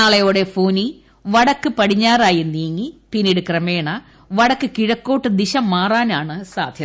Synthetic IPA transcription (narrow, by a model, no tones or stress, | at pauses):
aːlɐjoːɽefoːni | ʋɐɽɐkːɨpɐɽiɲːaːraːjind̪iːŋɡipinːiɽɨkrɐmeːɳɐ | ʋɐɽɐkːɨkiɻɐkːo̞ːʈːɨd̪iɕɐmːaːraːnaːɳɨsa̰ːd̪ʱjɐ